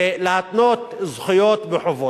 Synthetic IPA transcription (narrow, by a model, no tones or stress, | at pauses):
lat̪not̪zχɪjoːt̪bɪħʊvoː